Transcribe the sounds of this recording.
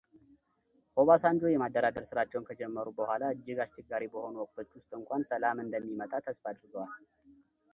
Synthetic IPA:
ho̞βasand͡ʒo̞jɛmad̪ːəɾad̪əɾsɨɾat͡ʃːɛwnkʰəd͡ʒɛmːəɾubəhʷalaɨd͡ʒːɪɡast͡ʃɛɡaɾibəho̞nuwɔkʼt̪ʰo̞t͡ʃːwʊst̪ʼɨŋkʷʼansəlamɨnd̪əmːimət̪ʼat̪ʰəsfad̪ɾɨɡəwal

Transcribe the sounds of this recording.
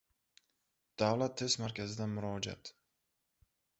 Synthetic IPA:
d̪̥awlat̪ʰːesmaɾkʲazɪd̪amʊɾɒd͡ʒa̰t̪

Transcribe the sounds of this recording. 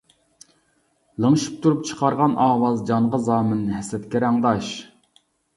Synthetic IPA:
lˠəŋɨʃi̥p̚t̪ʰuɾup̚t͡ʃʰə̥qʰɑɾʁɑnʔɑːwɑzd͡ʒɑɴʁɑzɑːmɨnɦɛsɛt̪kʲɛɾæŋd̪ɑʃ

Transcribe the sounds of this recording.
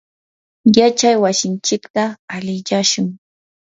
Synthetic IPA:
jat͡ʃajwasɪnt͡ʃɪkt̪aːlɪʎaʃʊŋ

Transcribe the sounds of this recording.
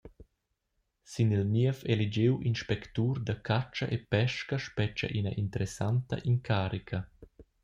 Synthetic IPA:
sinilmiəfelid͡ʒewʔinʃpɛkt̪uːɾd̪akʰat͡ʃɐʔepɛʃkɐʃpɛt͡ʃa̰ʔinɐ̰ʔint̪əɾesant̪ɐ̰ʔiŋkʰaːɾikʰɐ

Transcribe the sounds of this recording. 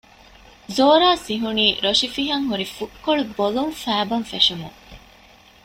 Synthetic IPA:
zoːɾaːsiɦuniːɾoʃifiɦɐŋɦuɾifukːoɭubolumfæːbɐnfeʃumuŋ

